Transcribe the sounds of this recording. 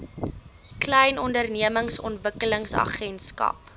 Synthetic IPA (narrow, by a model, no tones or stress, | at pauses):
klɛjnɔndərniəməŋsɔ̰ntvəkələŋsɐ̰χɛnskɐ̰p